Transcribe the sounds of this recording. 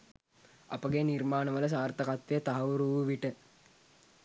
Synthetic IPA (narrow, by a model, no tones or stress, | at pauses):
a̰pəɡenirmaːnəʋələs̬aːrt̪əkat̪ʋejət̪aɦɐʋuɾuʋəʋiʈə